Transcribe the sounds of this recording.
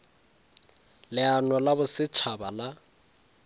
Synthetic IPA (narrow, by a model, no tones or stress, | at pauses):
lɪanɔlabʊsɪt͡ʃʰabala